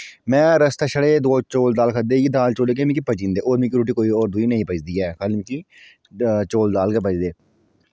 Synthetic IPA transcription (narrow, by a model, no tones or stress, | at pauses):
mɛ̃ːɾəst̪eːʃəɽeːd̪oːt͡ʃoːld̪aːlkʰəd̪eːjid̪aːlt͡ʃoːleːk̬eːmĩːkipət͡ʃĩːnd̪eːʔoːmĩːkiɾuːʈ̬iːkoːiɔːɾd̪ʊiːnəɦĩːpət͡ʃd̪iːɛːkʰalmĩki | t͡ʃoːld̪aːlkep̬ət͡ʃd̪eː